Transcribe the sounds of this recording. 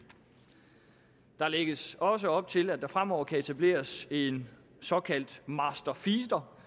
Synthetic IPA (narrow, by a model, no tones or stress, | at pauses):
d̥ɑ̈leɡ̥əsɒ̽s̬əɒ̽b̥̚t͡sʰe̝læd̥ɑ̈fʁam̰ɒʊ̰ɐkʰæe̝t͡sʰæb̥le̝̰ːɐse̝n | sɒ̽kʰæl̰d̥mɑ̈sd̥ɐfiːsd̥ɐ